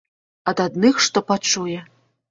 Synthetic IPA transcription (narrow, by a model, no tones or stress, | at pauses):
ɐd̪ad̪nɨxʂt̪ɔpat͡ʂujɛ